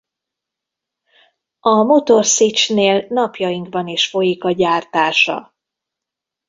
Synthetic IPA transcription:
ɒmo̞t̪o̞rsit͡ʃneːlnɒpjɒjiŋɡbɒniʃfo̞jikɒɟaːrt̪aːʃɒ̰

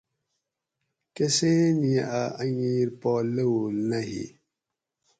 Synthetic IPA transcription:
kɛseniaʔaaɲiɾpɔləwulnahḭ

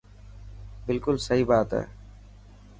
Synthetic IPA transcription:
bɪlkʊlsəɦiːbaːt̪ɦɛ̰ː

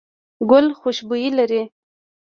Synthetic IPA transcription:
ɡʊlxʊʃbujilaɾi

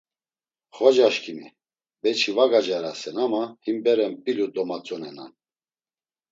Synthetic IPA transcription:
χɔd͡ʒaʃkʰimi | bɛt͡ʃʰivaɡad͡ʒaɾasɛnamahimbɛɾɛmpʼilud̪ɔmat͡sʼɔnɛna̰n

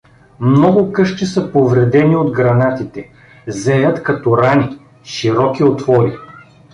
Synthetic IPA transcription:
mnɔɡʊkɤʃt͡ʃ̪isɐpovɾɛd̪ɛniod̪ɡɾɐnat̪it̪ɛ | zɛjət̪kɐt̪ɔɾani | ʃiɾɔkiot̪vɔɾi

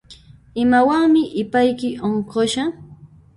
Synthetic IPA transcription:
ɪmawaŋmɪʔɪpajkɪʔoɴɢoʃa

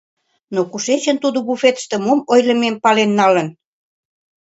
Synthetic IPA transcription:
nokuʃet͡ɕənt̪ud̪obufet̪ə̥ʃt̪ĕmomojlə̆mempɑlenːɑlən

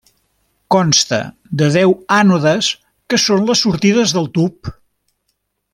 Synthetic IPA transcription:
kɔnst̪ə̰ | d̪əðɛwanuðəs | kəsonləsːuɾt̪iðəzðəlˠt̪up

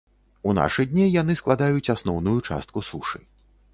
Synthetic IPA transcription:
una̰ʂɨd̪ʲnʲijanɨsklˠad̪ajut͡sʲasnɔwnujut͡ʂa̰st̪kusuʂɨ

